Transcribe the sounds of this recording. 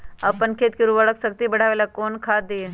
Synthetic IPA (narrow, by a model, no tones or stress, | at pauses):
əpəɳkʰet̪̚kiɾuʋəɭəksəkt̪iːbəɽ̤aʋelakonkʰad̪e